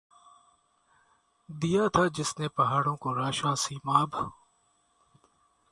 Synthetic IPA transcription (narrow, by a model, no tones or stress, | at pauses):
d̪ijat̪ʰad͡ʒɪsnepɐɦaːɽõkoɾaːʃaːsiːmaːbʱ